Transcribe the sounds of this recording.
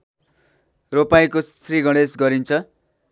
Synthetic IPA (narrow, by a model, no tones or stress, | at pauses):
ropajkosriɡʌɽ̃esɡʌɾint͡sʰʌ